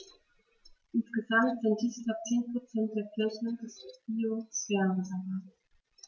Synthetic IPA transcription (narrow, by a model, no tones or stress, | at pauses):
ʔɪnsɡ̥əzamtz̥ɪnt̚d̥iːskl̥ap̚t͡seːnpʁ̥ot͡sɛnt̚d̥eːɐkʰɪɐçn̩dɛsb̥iːosv̥eːɐʁəzava